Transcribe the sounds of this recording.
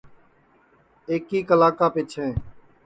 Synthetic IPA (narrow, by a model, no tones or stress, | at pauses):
eːkiːkəlaːkaːpɪt͡ʃʰẽː